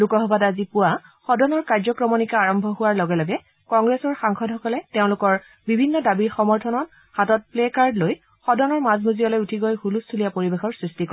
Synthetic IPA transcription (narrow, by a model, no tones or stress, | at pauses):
lukɔɦɔbadazipʊwaxɔdɔnɔɹkaɹzɔkɹɔmɔnikaːɹɔmbʱɔɦʊwaɹlɔɡɛlɔɡɛ | kɔŋɡɹɛsɔɹxaŋxɔdhɔkɔlɛteʊ̃lʊkɔɹ | bibʱinːɔdabiɹxɔmɔɹtʰɔnɔt | hatɔt̚plekaɹdloj | xɔdɔnɔɹmazmuziɔlɔjutʰiɡɔjxulustʰulijapoɹibexɔɹsɹistikɔ